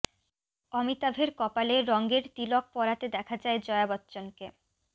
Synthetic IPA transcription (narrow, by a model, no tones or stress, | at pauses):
ɔmit̪abʱeɾkɔpaleɾɔŋɡeɾt̪ilok̚pɔɾat̪ed̪ɛkʰad͡ʑaed͡ʑɔeabɔtːɕonke